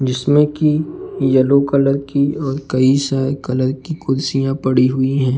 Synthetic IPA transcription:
d͡ʒɪsmẽkijɐlokɐləɾkiɔːɾkɐisaːkɐləɾkikʊɾsijãpɐɽiɦʊiɦɛ̃ː

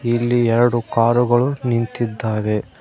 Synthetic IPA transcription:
ilːiɛɾɐɽukaːɾuɡɐɭunint̪id̪ːaːʋe

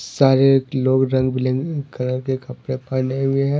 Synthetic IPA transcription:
saːɾeloːɡɾɐ̃ŋɡbʱɪlẽŋɡkɐləɾkekɐpɾepaːneɦʊeɦɛ̃

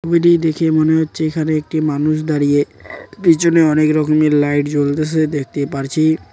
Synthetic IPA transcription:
obilid̪ekʰemoneɦotːɕʰeekʰaneek̚ʈimanuʃ̬d̪aɾijepit͡ɕʰoneɔnekɾɔkomeɾlajʈd͡ʑold̪eʃed̪ek̚ʰt̪epaɾt͡ɕʰi

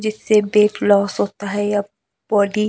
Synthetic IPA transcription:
d͡ʒɪsːebeːflɔːsɦoːt̪aɦɛjɐ | b̥ɔːɖi

